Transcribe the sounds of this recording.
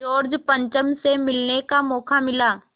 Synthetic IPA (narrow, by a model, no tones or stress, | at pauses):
oːɾd͡ʒpə̃ɲt͡ʃəmsemɪlnekamɔːkʰamɪlaː